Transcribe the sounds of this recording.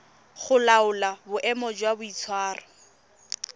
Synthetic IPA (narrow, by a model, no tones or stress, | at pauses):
χʊlaʊlabʊʔɛmɔd͡ʒwabʊit͡sʰwaːrɔ